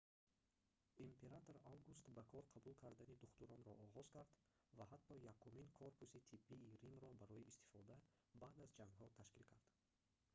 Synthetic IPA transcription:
impʰe̞ɾat̪oɾawɡust̪bakʰɔɾqʰabulkʰaɾd̪anid̪uχt̪uɾɔnɾɔʔːʁɔz̥kaɾd̪ | vahat̪ːɔjakʰuminkʰoɾpusit̪ʰibːiːɾimɾɔbaɾɔiːst̪i̥fɔd̪a | baːd̪azd͡ʒaŋɡɦɔt̪ʰaʃkilkʰaɾd̪̥

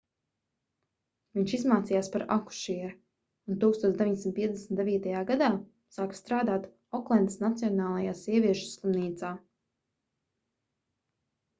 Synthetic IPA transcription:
viɲʃizmaːt̪sijaːspaɾaku̥ʃiɛɾ | unt̪uːkst̪oɔːt̪d̪evʲiɲd̪ʲesimnt̪piɛd̪ʲɛsm̩nt̪d̪evʲiːt̪ajaːɡad̪aː | saːkst̪ɾaːd̪aːt̪ | ɔklˠɛnd̪snat̪sijɔnaːlˠajaːsiɛvʲiɛʃu̥slˠumniːt̪saː

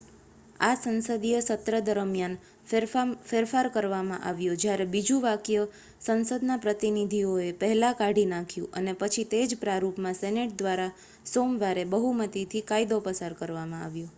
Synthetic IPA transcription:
asənsəd̪ijəsət̪ɾəd̪əɾəmjan | feɾfaɾkəɾʋamã̰ʔaʋjod͡ʒjaɾebid͡ʒũʋakjə | sənsəd̪napɾət̪inid̪ʱioepəɦɛlakaɽʱinãkʰjũʔənepət͡ʃʰit̪ed͡ʒpɾaɾupmãsɛneʈ̚d̪ʋaɾa | somʋaɾebəɦumət̪it̪ʰikaid̪opəsaɾkəɾʋamãa̰ʋjo

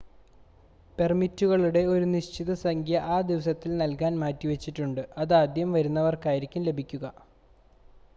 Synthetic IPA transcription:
pe̞rmitːuɣɐɭuɽe̞o̞ɾuniɕt͡ɕiðɐsɐŋkʰjɐʔaːd̪iʋɐsɐt̪ːilnɐlkaːnmaːtːiʋet͡ɕːiʈːuɳɖɨɐðaːd̪jɐmʋɐɾunːɐʋɐrkaːjɾikʲːumle̞bʱikʲːuɣɐ

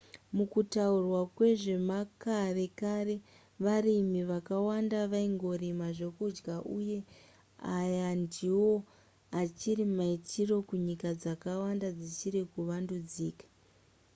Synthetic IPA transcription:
mukutaurwakwe̞ʐe̞makare̞kare̞ | ʋarimiʋakawandaʋaiŋɡo̞rimaʐe̞kud͡ʒɡaʔuje̞ | ajandiwo̞ | at͡ʃirimaitʰiro̞kuɲikad͡zakawandad͡zit͡ʃiɾikuʋandud͡ziːkḁ

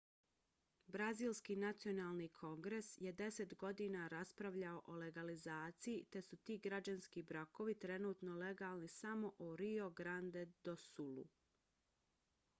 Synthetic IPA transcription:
bɾaziːlskiːnat̪sio̞naːlˠnikʰo̞ŋɡɾe̞sje̞d̪e̞se̞t̪ɡo̞d̪iːnaɾaspɾaʋʎaoʔole̞ɡalizaːt̪sijit̪e̞sut̪iːɡɾad͡ʑanskibɾako̞ʋit̪ɾe̞nuːt̪no̞le̞ɡaːlˠnisamo̞ʔoɾio̞ɡɾand̪ed̪̥o̞sulṵ

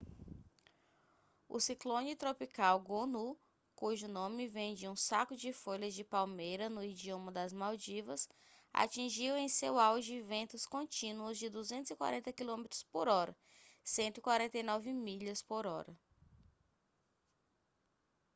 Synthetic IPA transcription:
ʊ̰siklõnɪt̪ɾopikawɡonu | kuʒʊnõmɪvẽd͡ʒɪũsakʊd͡ʒɪfoʎɐzd͡ʒɪpawmejɾɐnʊid͡ʒiõmɐd̪ɐzmawd͡ʒivɐs | a̰t͡ʃĩʒiwẽj̃sewawʒɪvẽnt̪ʊskõt͡ʃĩnuʊzd͡ʒɪd̪uzẽnt̪ʊzikwa̰ɾẽnt̪ɐkilõmet̪ɾʊ̥spoɾɔɾɐ | sẽnt̪ʊikwaɾẽnt̪ejnɔvɪmiʎɐspoɾɔɾɐ

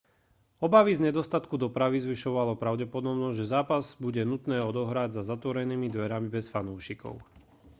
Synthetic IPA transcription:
ɔbaʋizɲɛd̪ɔst̪at̪kud̪ɔpɾaʋizʋiʃɔʋalɔpɾaʊɟɛpɔd̪ɔbnɔʒɛzaːpazbuɟɛnut̪nɛːɔd̪ɔɦɾaɟzazat̪ʋɔɾɛniːmid̪ʋɛɾamibɛsfanuːʃikɔ̰ʊ

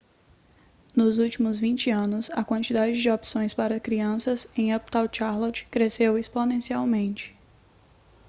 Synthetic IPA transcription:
nʊzuwt͡ʃimʊzvĩnt͡ʃɪɐ̃nʊsɐ̰kwɐ̃nt͡ʃid̪ad͡ʒɪd͡ʒɪɔpsõj̃spaɾɐkɾiɐ̃sɐzẽj̃ɐp̚t̪awt͡ʃaɾlot͡ʃkɾesewesponẽsiawmẽnt͡ʃɪ̥

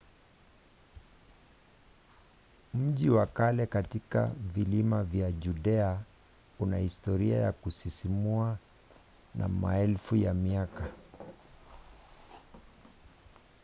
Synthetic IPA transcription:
m̩ʄiwakalɛkatika̰vilimavjaʄuɗɛa | unahistɔɾia̰ja̰kusisimua | nʔa̰ma̰ɛlfujamiaka

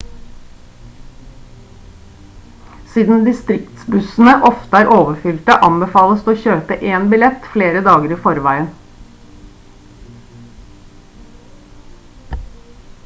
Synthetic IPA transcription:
siːd̪n̩d̪ɪst̪ɾɪkt̪sbʉsn̩əʔɔft̪əæːɾʔoːʋəfʏlt̪əʔɑmbəfɑːləst̪oːçøːpəʔeːnbɪlɛt̪fleːɾəd̪ɑːɡəɾiːfɔɾʋæɪən

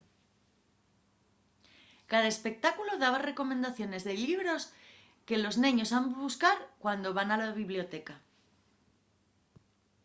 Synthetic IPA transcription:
kaðaespe̞k̚t̪akuloðaβare̞ko̞mẽ̞nd̪aθjo̞ne̞zðe̞liβɾo̞s | ke̞lo̞znẽɲo̞samβuskaɾkwand̪o̞βanalaβiβlijo̞t̪e̞ka

